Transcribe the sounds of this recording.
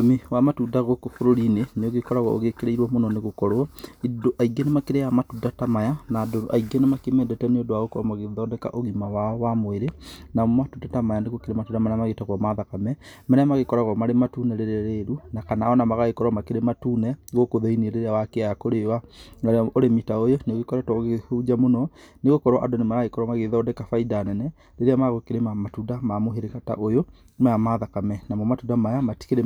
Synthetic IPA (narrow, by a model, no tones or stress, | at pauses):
omiwamatuːdaɣokofoɾoɾineneoɣekɔɾaɣɔo̰ɣekeɾeiɾwɔmonɔneɣokɔɾwɔidoʔaiɡenemakeɾeamatudatamajanadoʔaiɡenemakemɛdɛtɛnodoaɣokɔɔmaɣeðɔdɛka̰ʔoɣimawaɔwamoeɾenamatudatamajaneɣokeɾematuːndamɛnamaɣetaɣɔmaðakamɛmɛnmaɣekɔɾaɣɔmaɾematunɛɾeɾɛɾeɾunakanaɔnamaɣaɣekɔɾwamakeɾematuːnɛɣokoðeinieɾeɾeawakeajakoɾewaŋaɾeoɾemitaojoneɣekɔɾɛtɔɣehod͡ʒamonɔneɣokɔɾɔʔadonemaɣaɣekɔɾwamaɣeðaɔdɛkafaidanɛnɛ | ɾeɾeamaɣokeɾemamatudamamoɦeɾekata̰ʔojo | majamaðakamɛnamɔmatudamajamati̥keɾe